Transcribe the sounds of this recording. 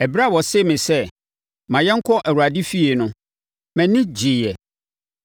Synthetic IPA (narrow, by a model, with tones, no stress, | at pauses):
ɛ˨ba˦˨wɔ˨se˦˨mɪ̃˨sɛ˦ | mã˨jɛ˦ŋ̩˦kʰɔ˦ʔæ˨wu˨ɾa˨di˦fi˦e˨nʊ̃˦ | mæ̃˨nɪ̃˦d͡ʑɪ˨jɛ˨